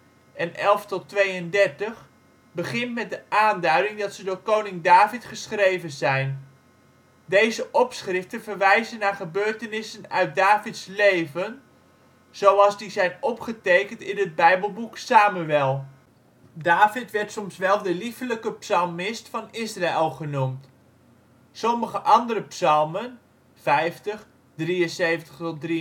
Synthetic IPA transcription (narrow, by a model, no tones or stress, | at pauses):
ʔɛnʔɛlˠftɔtːʋejəndɛɹtəχ | bəχɪntmɛt̚dəʔaːndœɥdɪŋdɑtsədʊːɹkownɪŋdaːvɪtχəsχrejvənzɛjn | dejzəʔɔpsχrɪftənvərʋɛjzənːaːɹχəbøːɹtənɪsənœɥt̚daːvɪtslejvən | z̥owɑlˠzdizɛjnɔpχətejkəntɪnəd̚bɛjbəlˠbuksaːmyɛlˠ | daːfɪtʋɛrtsɔmsʋɛlˠdəlifləkəpsɑlˠmɪstfɑnɪsraelˠχənumt | sɔməχəʔɑndəɾəpsɑlˠmən | fɛjftəχ | driənsejvəntəχtɔt̚dri